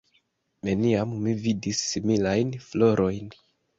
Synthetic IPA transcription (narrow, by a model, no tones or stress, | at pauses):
neniammividisːimilajnflo̞ɾʔo̞jn